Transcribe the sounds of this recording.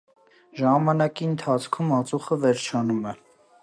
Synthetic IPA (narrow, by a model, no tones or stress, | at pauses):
ʒɑmɑnɑkiənt̪ʰɑt͡sʰkʰumɑt͡suχəvɛɾt͡ʃʰɑnumɛ